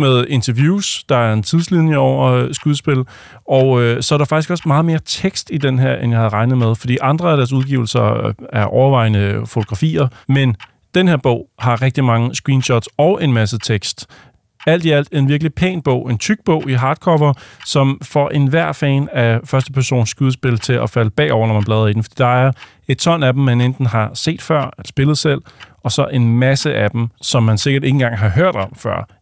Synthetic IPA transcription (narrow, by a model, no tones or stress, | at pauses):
meðˠe̝nt͡sʰɐʋjuːsd̥ɑ̈æɐe̝nt͡sʰið̞ˠslinjəɒʊ̰ɐsɡ̥uðˠsb̥e̝l | ɒ̽ʊøsɒ̽æɐɾ̥ɑfɑ̈ɡ̥isɡ̥ɒ̽smɑ̈ːð̩ˠme̝ːɐt͡sʰeɡ̥sd̥id̥enɦeɐ̰ʔenjɑ̈hæð̩ˠʁɑ̈ɪnəð̞̩ˠmeð̞ˠfɒ̽d̥ḭːʔɑ̈nd̥ʁɐæɾ̥æɐs̬uð̞ˠɡ̥ḭʊl̩sɐæɐʔɒʊɐʋɑ̈ɪ̰nəfot͡sʰo̝ɡ̥ʁɑ̈fḭːɐmen | d̥enheɐ̰b̥ɔ̰̽ʊhɑ̈ʁeɡ̥̚d̥imɑ̈ŋəsɡ̥ʁiːnɕɒd̥sɒʊʔe̝nmæs̬ət͡sʰeɡ̥sd̥ | æl̰d̥iæl̰d̥æee̝nʋiɐɡ̥əlipʰḛːnb̥ɔ̽ʊ̰e̝nt͡sʰyɡ̥̚b̥ɔ̽ʊ̰iɦɑ̈ːd̥kʰɒʋɐsɒ̽mfɒʔe̝nʋæɐ̰fɛ̰ːnæfɶɐsd̥əpʰæɐso̝̰ːnsːɡ̥uðˠsb̥e̝lt͡sʰe̝lʔæfæləb̥ɛ̰ːɒ̰ʊ̰ɐnɒmænb̥lɛːðˠɐid̥n̩fɒd̥ḭːd̥ɑ̈æɐ | e̝d̥̚t͡sʰɒ̽n̰ædm̩ːænend̥n̩ɦɑ̈se̝̰ːd̥fɶɐ̰e̥sb̥e̝lð̩ˠsel̰ɒ̽sɒ̽ʔe̝nmæsəʔæd̥m̩sɒ̽mːænse̝ɡ̥ɐɾe̝ŋn̩ɡ̥ɑ̈ŋɦɑ̈ɦøɐ̰d̥ɒ̽mfɶɐ̰